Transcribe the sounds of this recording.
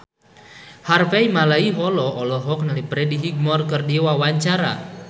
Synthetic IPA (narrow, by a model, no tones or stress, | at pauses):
harfɛimalaiɦɔlɔɔlɔɦɔk̚nalipɾɛdiɦiɡ̚mɔrkɨrdiwawaɲt͡ʃaɾa̰